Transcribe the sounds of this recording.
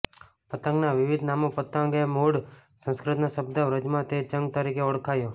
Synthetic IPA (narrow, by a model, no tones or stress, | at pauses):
pət̪ə̃ŋɡnaʋɪʋɪd̪ʱnamopət̪əŋɡemuɽsə̃skɾɪt̪naʃəb̚d̪aʋɾəd͡ʒmãt̪et͡ʃə̃ŋɡ̚t̪aɾikʰeoɽkʰajo